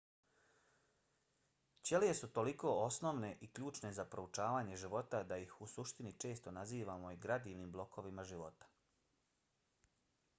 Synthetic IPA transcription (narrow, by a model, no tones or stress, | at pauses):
t͡ɕjelije̞sut̪o̞liko̞o̞snoʋne̞ʔikʎuːt͡ʃne̞zapɾo̞ut͡ʃaːʋaːɲe̞ʒiʋo̞t̪ad̪aixusuʃt̪init͡ʃe̞ːst̪onaziːʋamo̞iɡɾad̪iːʋnimblˠo̞kʰo̞ʋimaʒiʋo̞t̪ḁ